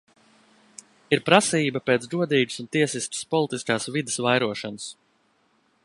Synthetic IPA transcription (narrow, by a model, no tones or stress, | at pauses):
iɾpɾasiːbapeːt̪ɾuɔd̪iːd͡ʒu̥sunt̪iɛsist̪ə̥spɔlˠit̪iskaːsvid̪ɪsvajɾuɔʃanəs